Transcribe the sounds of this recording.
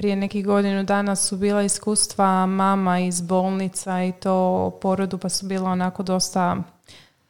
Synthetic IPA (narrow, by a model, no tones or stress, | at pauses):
pɾije̞ne̞kiɡo̞d̪inud̪aːnasubiːlˠaiskuːst̪ʋamaːmaizbo̞ːlˠnit̪sait̪oːpo̞ɾod̪upasubiːlˠaonako̞d̪o̞st̪a